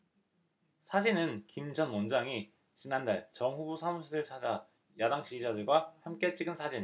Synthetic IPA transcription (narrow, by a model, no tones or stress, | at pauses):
sʰad͡ʑinɯnkimd͡ʑʰʌnmʌnd͡ʑaŋi | t͡ɕinandaɭt͡ɕʌŋɸubusʰamuɕʰiɾɯɭt͡ɕʰad͡ʑa | jadaŋt͡ɕiid͡ʑadɯɭɡwahamk͈e̞t͡ɕ͈ʰiɡɯnsʰad͡ʑin